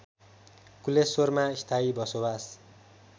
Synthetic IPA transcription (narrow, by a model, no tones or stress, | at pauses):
kulesormaist̪ʰaibʌsobas